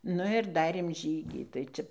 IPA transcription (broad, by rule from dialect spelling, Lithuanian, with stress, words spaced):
ˈnʊ ɪr ˈdɑːrʲeːm ˈʒʲiːɡʲiː tɐɪ ˈt͡ʃʲɛ